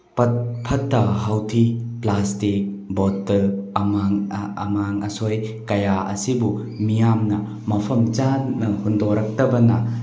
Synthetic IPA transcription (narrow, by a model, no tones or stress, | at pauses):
pɐt̚pʰɐtːɐɦawtʰiplastik̚ | bɔtːɯɐmaŋɐ̰maŋɐsojkɐjaɐ̰sibu | mijamnɐ | mɐpʰɐmt͡ʃanːɐhundɔɾak̚tɐbɐnɐ